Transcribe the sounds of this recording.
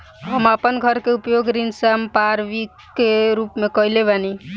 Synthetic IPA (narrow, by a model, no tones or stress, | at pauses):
ɦəmapənɡʱəɾkeupjoɡɾinsəmpaɾʋikː | eɾuːpmẽkəilebani